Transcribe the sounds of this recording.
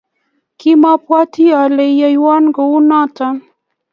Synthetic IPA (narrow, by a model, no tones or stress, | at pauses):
kimapwat̪ʰialejjajwanɡəunat̪an